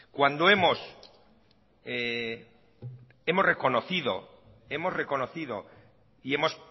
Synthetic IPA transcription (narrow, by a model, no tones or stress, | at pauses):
kwand̪oe̞mo̞s | e | e̞mo̞zre̞ko̞noθiðo̞̰ | e̞mo̞zre̞ko̞noθiðo̞̰ | ie̞mo̞s